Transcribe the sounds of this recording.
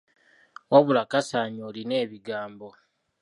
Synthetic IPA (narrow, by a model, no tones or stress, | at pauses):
waβulakasaːɲoːline̞ːβiɡaːmbo̞